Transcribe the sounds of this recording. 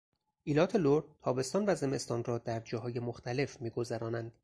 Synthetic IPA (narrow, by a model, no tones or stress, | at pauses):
ʔiːlɒːt̪ʰe̞loɾt̪ʰɒːbe̞st̪ɒːnvæze̞me̞st̪ɒːnrɒːd̪æɾd͡ʒɒːɦɒːje̞moxt̪ʰæle̞fmiːɡo̞zæɾɒːnænd̪̥